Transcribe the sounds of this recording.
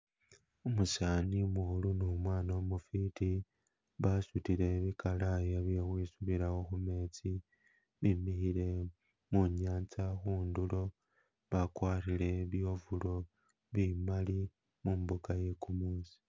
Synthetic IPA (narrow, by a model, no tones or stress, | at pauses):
omusaːnimuxulunomwaːnomufiti | βasutiɾe̞βikalajaβjexwisuβiɾaxo̞xume̞ːt͡si | βimixile̞ | muɲaːnt͡saxuːndulo̞ | βakwaːrile̞βjo̞vulo̞ | βimali | muːmbukaje̞kumuːsi̥